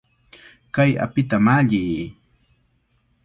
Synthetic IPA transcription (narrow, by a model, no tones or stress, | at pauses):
kaja̰pɪt̪amaʎiː